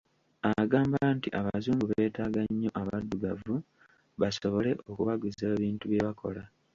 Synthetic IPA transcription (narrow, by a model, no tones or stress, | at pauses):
aɡaːmbantiʔaβazuːŋɡuβe̞ːtaːɡaɲːo̞ʔaβadːuɡavu | βaso̞βo̞le̞ʔo̞kuβaɡuzeβiːntuβje̞βakʰo̞̰la